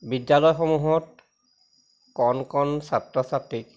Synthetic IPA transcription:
bidjalɔjxɔmuɦɔt̚ | kɔnkɔnsatɹɔsatɹik̚

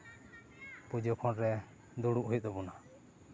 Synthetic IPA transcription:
pud͡ʒokʰɔnɾɛ | d̪uɽuʔɦujt̪̚d̪ɔbɔna

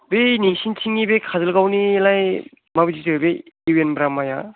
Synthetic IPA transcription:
beniŋsintʰiŋibekʰazɯlɡawnilaj | mabid͡ʒitʰɯbeiwenbɾamaja

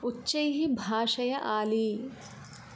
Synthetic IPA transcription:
utːʃɐjɦibʱaːʂɐjɐʔaːli

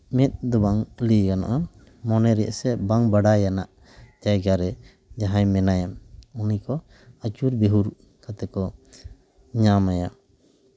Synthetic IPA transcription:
mɛt̪̚ˀd̪ɔbaŋlikana̰ʔa | mɔnɛɾɛʔsɛbaŋbaɽajanaʔ | d͡ʒajɡaɾɛ | d͡ʒaɦaɲmɛnajamunikɔ | at͡ʃuɾbeɦuɾ | kʰat̪ɛkɔ | ɲamaja

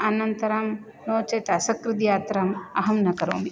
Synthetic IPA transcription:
ɐnɐnt̪ɐɾɐm | noːt͡ʃɐjt̪asɐkɾɨd̪ijaːt̪ɾɐmɐɦɐmnɐkɐɾo̰ːmi

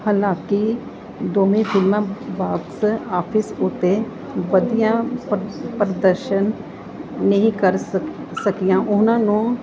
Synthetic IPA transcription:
haːlãːki | d̪oːmẽfʰɪlmãbaːɡsaːpʰɪsʊt̪ːe | ʋəd̪ijã | pɾəd̪əɾʃən | nəɦĩkəɾ | səkijãʔʊnãːnũ

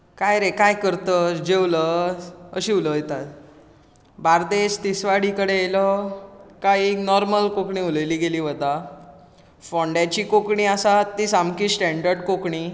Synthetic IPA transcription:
kajɾekajkəɾt̪əd͡ʑewləəɕiːuləet̪at̪ | baɾd̪est̪isʋaɽikəɽeelɔ | kaieknɔɾməlkokɳĩːuləjliːɡeliːʋət̪a | fɔ̃ɳɖjat͡ɕiːkokɳiːasat̪ːiːsamkiːsʈɛ̃ɳɖəɾɖkokɳiː

